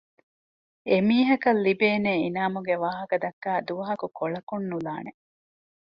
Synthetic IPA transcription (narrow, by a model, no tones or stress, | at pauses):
emiːɦɐkɐlːibeːneːinaːmuɡeʋaːɦɐkɐd̪ɐkːæːd̪uʋɐɦɐkukoɭɐkunːulaːne